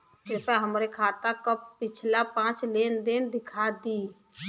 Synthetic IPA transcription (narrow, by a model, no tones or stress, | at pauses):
fɪɾpəɦəmɾekʰaːt̪akəppɪt͡ʃʰlapãːt͡ʃlend̪ɪnd̪ɪkʰad̪i